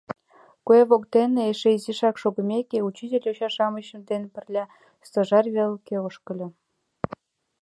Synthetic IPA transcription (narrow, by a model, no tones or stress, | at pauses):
kueβokt̪eneeʃeiziʃɑkʃoɣə̆mʲekeut͡ɕitʲelʲoɕɑʃɑməɕə̆md̪enpə̆rlʲɑ | st̪əʒɑrβelkeoʃkə̆lʲɤ̆